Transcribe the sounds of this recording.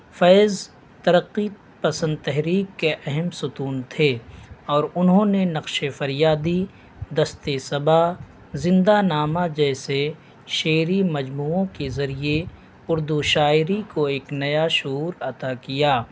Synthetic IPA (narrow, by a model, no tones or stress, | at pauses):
fɛːz | t̪ɐɾəqːi | pɐsə̃nd̪̚t̪ɛɦɾiːkːeʔɛɦɛmsʊt̪uːnt̪ʰeːɔːɾʊnɦõːnenɐqʃefɐɾjaːd̪i | d̪ɐst̪esɐba | zɪ̃nd̪anaːmad͡ʒɛːse | ʃeːɾimɐd͡ʒmuːõkezɐɾie | ʊɾd̪uʃaːɪɾikoeːknɐjaʃʊuːɾɐt̪akijaː